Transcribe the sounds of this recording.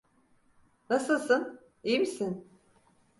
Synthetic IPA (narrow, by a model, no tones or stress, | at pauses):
nasɯlˠsɯn | ijimisin